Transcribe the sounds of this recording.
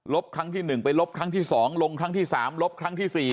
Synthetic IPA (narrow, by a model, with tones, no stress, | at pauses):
lo˦˥p̚kʰɾa˦˥ŋt̪ʰiː˥˩nɯ˨˩ŋpa˧jlo˦˥p̚kʰɾa˦˥ŋt̪ʰiː˥˩sɔː˩˦ŋlo˧ŋkʰɾa˦˥ŋt̪ʰiː˥˩saː˩˦mlo˦˥p̚kʰɾa˦˥ŋt̪ʰiː˥˩siː˨˩